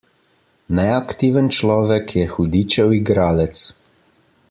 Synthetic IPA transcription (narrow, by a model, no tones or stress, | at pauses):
nɛakt̪iːʋənt͡ʃlɔːʋɛkʰjɛxud̪iːt͡ʃɛwiɡɾaːlɛt̪s